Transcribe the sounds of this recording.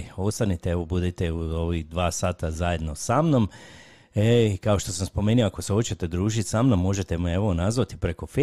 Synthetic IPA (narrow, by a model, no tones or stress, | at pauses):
o̞st̪anit̪eeʋo̞bud̪it̪euoʋid̪ʋaːsaːt̪azaje̞d̪nosamno̞m | eikao̞ʃt̪o̞samspo̞meːnioakoseo̞t͡ɕe̞t̪e̞d̪ɾuːʒit̪ʲsamnomːo̞ʒe̞t̪e̞mee̞ʋo̞nazʋat̪i̥pɾe̞ko̞fe